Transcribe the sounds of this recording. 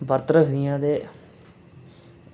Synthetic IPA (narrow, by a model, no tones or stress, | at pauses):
bəɾt̪ɾəkʰd̪ɪjãːd̪eː